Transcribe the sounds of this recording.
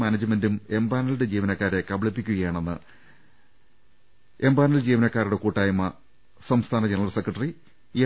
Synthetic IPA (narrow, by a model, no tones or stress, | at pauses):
maːnɐd͡ʑɨmendume̞mbaːnɐlɽe̞d͡ʑiːʋɐnɐkːaːɾe̞kɐbɐɭipːikʲːuɣɐjaːɳe̞nːɨ | e̞mbaːnɐld͡ʑiːʋɐnɐkːaːɾuɽe̞kuːʈːaːjɐmːɐ | sɐmst̪ʰaːnɐd͡ʑenɐrɐlsekrɐʈːɐri | e